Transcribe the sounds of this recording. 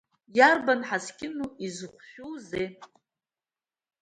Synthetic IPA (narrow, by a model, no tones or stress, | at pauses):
jarbanħaskʲɪnuizɨχʷʃᶣuwze